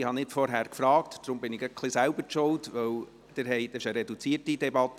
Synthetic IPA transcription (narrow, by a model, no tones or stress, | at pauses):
ɪhɑnɪtfɔɾɦæːɾkfɾɑːktd̥ɾʊmbɪnɪɡəkʰχlɪsæʊbəɾt͡ʃɔwtʋœw | d̥ɪɾɦɛɪd̥əʃəɾɛdut͡siːətid̥ɛbɑt̪ː